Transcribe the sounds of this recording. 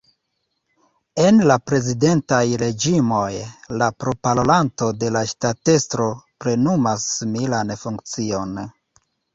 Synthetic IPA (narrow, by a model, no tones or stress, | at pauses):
e̞nlapɾe̞zide̞ntajɾe̞d͡ʒimo̞jlapɾo̞palolanto̞de̞laʃtate̞stɾo̞pɾe̞numasːimilanfuŋk̚t͡sio̞n